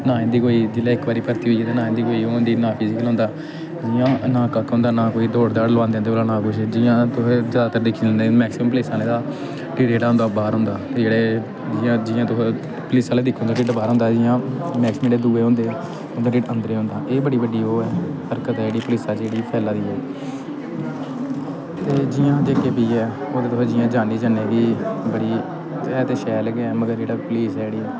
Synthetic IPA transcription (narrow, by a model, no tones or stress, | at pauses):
nãːnd̪iːkoːiːd͡ʒeːlaːɪkbaːɾiːpəɾt̪iːɦoːieːt̪eːnaːẽnd̪iːkoːiːoːnd̪iːnaːpʰɪzɪkəlɦõnd̪aː | d͡ʒɪjãːnãːkakːʊ̃nd̪aːnãːkoːiːd̪oːɽd̪aːɽləãːnd̪ẽːnd̪eːoːlaːnãːkʊʃd͡ʒɪːãːt̪ʊɦed͡ʒaːd̪aːt̪əɾd̪ɪkʰːnd̪emɛːksɪməmpəlɪːsãːlẽːd̪aː | ʈɪːʈeːʈaːɦʊ̃nd̪aːbaːɾɦõʊ̃nd̪aːt̪ed͡ʒeːɽeː | d͡ʒɪãːd͡ʒɪːãːt̪ʊɦe | pəlɪsaːleːd̪ɪkʰːõːnd̪aːɖɪʈbaːɾɦʊ̃ːnd̪aːd͡ʒɪjãːmɛːksmːd̪eːd̪uːeːɦʊ̃nd̪eː | oːd̪aːɖɪːʈənd̪əɾeːɦõːnd̪aːʔeːbəɽiːbəɖiːoːɛːhəɾkət̪ɦɛd͡ʒeːɽiːpəlɪːsaːd͡ʒeːɽiːpʰɛːlãːd̪iːɛː | t̪eːd͡ʒɪjãːd͡ʒeːkeːbiːɛː | oːd̪eːt̪ʊeːd͡ʒɪːãːd͡ʒaːniːd͡ʒaːneːbiːbəɽiː | ɛːt̪eːʃɛːlɛɡeɛ̃ːməɡəɾd͡ʒeːɽaːpliːsɛːd͡ʒeːɽiːɛː